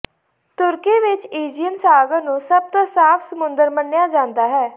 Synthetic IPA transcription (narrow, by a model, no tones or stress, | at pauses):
t̪ʊɾkiːʋɪt͡ʃiːd͡ʒijənsaːɡəɾnũːsəb̚t̪õːsaːfʰsəmʊnd̪əɾmənːjaːd͡ʒãːnd̪aːɦɛː